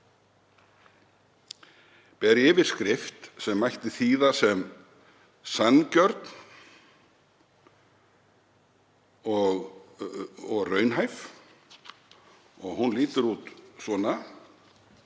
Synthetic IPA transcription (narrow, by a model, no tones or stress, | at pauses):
pɛɾɪːvɪɾ̥skɾɪft̪sɛmːajht̪ɪθiːðasɛm | sanːcœɾt̪n | ɔɣ | ɔɣrœːɥnɦajf | ɔɣɦunliːt̪ʏɾuːt̪sɔːna